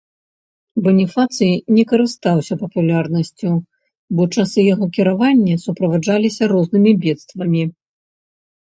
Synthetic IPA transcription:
bɛnʲifat̪sɨjnʲɛkɐɾɨst̪awsʲɐpɐpulʲarnɐsʲt͡sʲu | bɔt͡ʂasɨjaɣɔkʲiɾavanʲːɐsupɾɐvad͡ʐalʲisʲɐɾɔznɨmʲibʲɛt̪st̪vɐmʲi

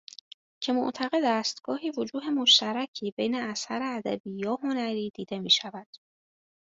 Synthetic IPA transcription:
cʰe̞moʔt̪ʰæɣe̞d̪æst̪ɡ̥ɒːɦiːvo̞d͡ʒuːɦe̞mo̞ʃt̪æɾæcʰiːbe̞jne̞æsæɾeæd̪æbiːjɒːɦo̞næɾiːd̪̥iːd̪e̞miːʃævæd̪̥

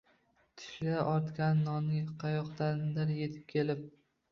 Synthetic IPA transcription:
t̪ʰɪ̥ʃlaʔɒɾt̪kʲanːɒnɪqʰɑjɒqt̪and̪aɾje̞t̪ʰɪ̥p̚kʲʰe̞lɪp̚

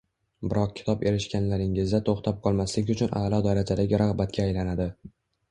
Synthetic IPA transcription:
bɪɾɒq̚kʲʰɪ̥t̪ʰɒpe̞ɾɪʃkʲanlaɾɪŋɪzd̪at̪ʰoχt̪ʰap̚qʰɒlˠmaslɪkʲʊt͡ʃʰʊnʔa̰lˠɒd̪aɾad͡ʒad̪aɡʲɾaʁbat̪kʲaːjlanad̪ɪ

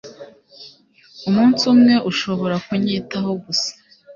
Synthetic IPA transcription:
umuːnsumŋe̞ʔuʃo̞βo̞ɾakuɲiːtaɦo̞ɡusḁ

